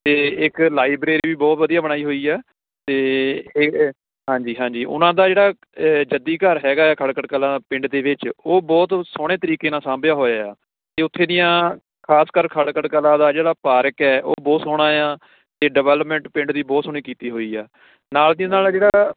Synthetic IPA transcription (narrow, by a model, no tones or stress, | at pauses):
t̪eːɪklaːiːbɾeːɾiːʋiːbɔːt̪ʋəd̪ijaːbəɽ̃aːiːɦoːiːɛː | t̪eː | ɦãːɲd͡ʒiːɦãːɲd͡ʒiːʔʊ̰nãːd̪aːd͡ʒeːɽaː | d͡ʒəd̪iːkəɾɦɛːɡaːɛːkʰəɽkəɽkəlãːpɪ̃ɳɖd̪eːʋɪt͡ʃoːbɔːt̪soːɽ̃eːt̪əɾiːkeːnaːsãːmbjaːɦoːjaːjaː | t̪eːʊt̪ʰːẽːd̪ɪjãː | kʰaːskəɾkʰəɽkəɽkəlãːd̪aːd͡ʒeːɽaːpaːɾəkɛːʔo̰ːbɔːt̪soːɽ̃aːjãː | t̪eːɖəʋɛːləpmɛ̃ɳʈpɪ̃ɳɖd̪iːbɔːt̪soɳ̃iːkiːt̪iːɦoːiːɛ̰ː | naːld̪ɪj̃ːnaːlːd͡ʒeːɽaː